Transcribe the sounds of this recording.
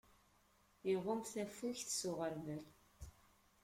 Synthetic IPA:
iʁʊmθæfuçθsʊʁəɾvæl

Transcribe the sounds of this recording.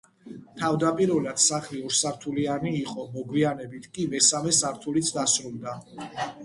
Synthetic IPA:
t̪ʰavd̪apʼiɾɛlad̪̥saχliɔɾsaɾt̪ʰulianiːqʼɔmɔɡwianɛbit̪ʰkʼimɛsamɛsaɾt̪ʰulit̪sʰd̪asɾulˠd̪a

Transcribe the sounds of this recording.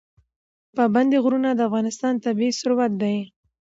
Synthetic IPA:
paband̪eɣɾunad̪əafɣɑnɪst̪ɑnt̪abisʊɾwat̪̚d̪aj

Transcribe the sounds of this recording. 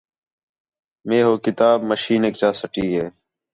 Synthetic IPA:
meːɦoːkɪt̪aːbməʃiːneːk̚t͡ʃaːsəʈiːɦeː

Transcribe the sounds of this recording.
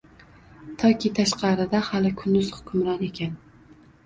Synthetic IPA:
t̪ʰɒkʲʰɪt̪ʰaʃqɑɾɪd̪ahalɪkʰʊnd̪ʊz̥hʊ̥kʰʊmɾɒne̞kʲan

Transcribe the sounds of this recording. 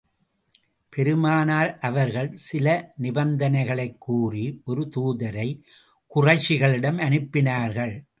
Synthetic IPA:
pɛɾɯmaːnaːɾʔɐʋɐɾɣɐɭsɪlɐnɪbɐnd̪ɐnɐɪɣɐɭɐɪkʰːuːriʔɔɾɯt̪uːðɐɾɐɪ | kʊrɐɪt͡ʃːɪɣɐɭɪɽɐmɐnɯpːɪnaːɾɣɐɭ

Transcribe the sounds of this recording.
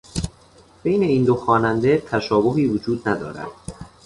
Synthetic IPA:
b̥e̞jne̞iːnd̪oxɒːnænd̪et̪ʰæʃɒːboɦiːvod͡ʒuːd̪næd̪ɒ̰ːɾæ̰d̪̥

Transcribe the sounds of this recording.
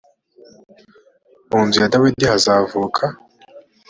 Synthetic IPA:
muːnzijadawidihazavuːkʰa

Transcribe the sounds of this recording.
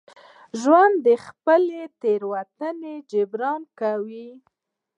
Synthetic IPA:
ʒwand̪ːəxpəlet̪eɾwat̪əned͡ʒɪbɾɑnkawi

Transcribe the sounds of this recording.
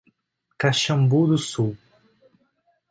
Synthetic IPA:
kaʃɐ̃mbud̪ʊsuw

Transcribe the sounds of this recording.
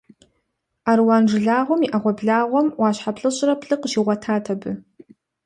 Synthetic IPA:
aːɾwaːnʐɨɮaːʁʷɔmiʔaʁʷɔbɮaːʁʷɔmwaːɕħapɬʼɨɕʼrɐpʰɬʼɨqəʃiʁʷɐtʰaːtʰɐbɨ

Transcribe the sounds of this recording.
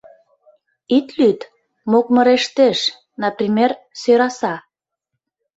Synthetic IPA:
it̪lyt̪ | mok̚mə̆ɾeʃt̪eʃ | nɑprʲimʲersøɾɑsɑ

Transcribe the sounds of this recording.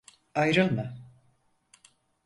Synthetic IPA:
ajɾɯlˠma

